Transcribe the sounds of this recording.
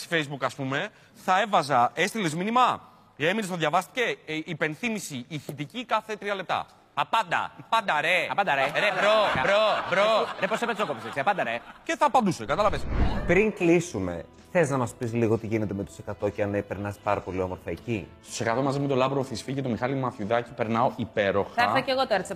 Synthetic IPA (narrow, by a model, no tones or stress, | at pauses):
si̥fejzbukɐspume̞ | θɐe̞vɐzɐe̞st̪ile̞zminimɐ | ɣeminst̪ðʝɐvɐst̪i̥ceipe̞nθimisiiθit̪icikɐθe̞t̪ɾiɐle̞p̚t̪ɐ̰ | ɐpɐnd̪ɐ̰pɐnd̪ɐɾeɐpɐd̪ɐɾeɾeɾobɾobɾoɾeposepesokopisesiɐpɐnd̪ɐɾece̞θɐpɐnd̪usokɐt̪ɐlɐvespɾiŋklisume̞̰ | θeznɐmɐspis̬liɣo̞t̪iʝine̞t̪emet̪o̥se̞kɐt̪o̞ceɐnepeɾnɐspɐɾɐpo̞lio̞mo̞ɾfɐecist̪ose̞kɐt̪o̞mɐzimet̪olɐbɾoθisfiʝet̪omixɐlimɐθjuðɐcipeɾnɐoʔipe̞ɾo̞xɐɐceɣot̪oeɾt̪is